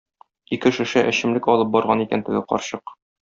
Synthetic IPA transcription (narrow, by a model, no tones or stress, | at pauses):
ikɘʃɘ̆ʃæʔɘ̆ɕɘ̆mlɘkɒlˠɤp̚bɒɾʁɑnikænt̪ɘ̆ɡɘqɒ̰ɾɕɤq